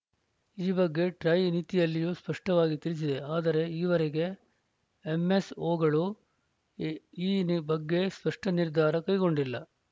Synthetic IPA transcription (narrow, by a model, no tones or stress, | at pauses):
iːbɐɡːe̞ʈɾɐjnit̪ijɐlːijuːspɐʂʈɐʋaːɡit̪iɾis̬id̪e̞aːd̪ɐɾe̞iːʋɐɾeɡe̞ | eme̞soːɡɐɭu | iːbɐɡːe̞spɐʂʈɐniɾd̪ʱaːɾɐkɐjɡo̞ɳɖilːɐ